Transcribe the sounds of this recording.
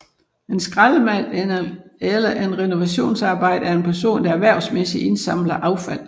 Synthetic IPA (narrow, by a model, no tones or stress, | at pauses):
e̝nsɡ̥ʁɑðˠəmæ̰ | elɐʔe̝nʁɛno̝ʋæɕo̝̰ːnsɑ̈ːb̥ɑ̈ɪ̰d̥əæɐe̝npʰæɐso̝̰ːnd̥ɑ̈æʋæɐ̰ʊsmesiʔe̝nsɑ̈m̰lɐʔɑ̈ʊfæl̰